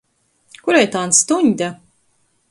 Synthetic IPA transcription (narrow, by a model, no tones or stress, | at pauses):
kuɾɛjt̪anst̪uɲʲd̪ʲa